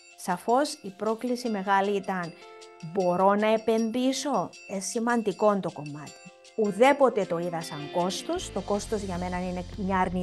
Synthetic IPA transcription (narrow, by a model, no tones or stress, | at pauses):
sɐfo̞sipɾo̞klisime̞ɣɐliit̪ɐnbo̞ɾo̞nɐepe̞nðiso̞esimɐnd̪iko̞nt̪o̞ko̞mɐt̪i̥ | uðe̞po̞t̪e̞t̪o̞iðɐsɐŋko̞st̪o̞st̪o̞ko̞st̪o̞zʝɐme̞nɐnine̞mɲɐːɾni